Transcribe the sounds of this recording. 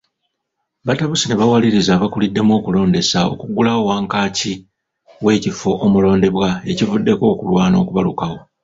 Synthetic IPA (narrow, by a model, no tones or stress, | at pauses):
βataβusine̞βawaliɾizaβakulidːe̞mo̞ːkulo̞ːnde̞sao̞̰kuɡulaowaːŋkaːci | we̞ːcifo̞ʔːmulo̞ːnde̞βwae̞civudːe̞ko̞ːkulwaːno̞̰ːkuβalukawo̞